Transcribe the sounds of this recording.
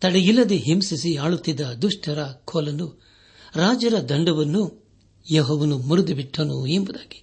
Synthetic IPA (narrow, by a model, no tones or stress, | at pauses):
t̪ɐɽɐjilːɐd̪eɦemsisiaːɭut̪ːid̪ːɐd̪uʂʈʰɐɾɐkʰɔːlɐnu | ɾaːd͡ʒɐɾɐd̪ɐɳɖɐʋɐnːu | jeɦɔːʋɐnumuɾud̪ibiʈʰːɐnuembud̪aːɡi̥